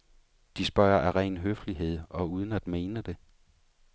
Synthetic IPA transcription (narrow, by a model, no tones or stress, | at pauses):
d̥isb̥ɶɐɐʔæʁɛ̰ːnɦøfliɦe̝ð̞̰ˠɒ̽uːð̞ˠn̩æd̥me̝ːnəd̥e̝